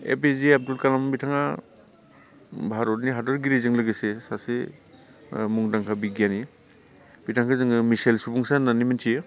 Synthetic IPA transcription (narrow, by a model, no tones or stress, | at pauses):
ḛpeziap̚dulkalambitʰaŋa | bʱaɾɔtniɦadɔɾɡiɾizɯŋlɯɡesesase | muŋdaŋkʰabiɡjani | bitʰaŋkʰazɯŋɯmisajlsubuŋsananimantʰi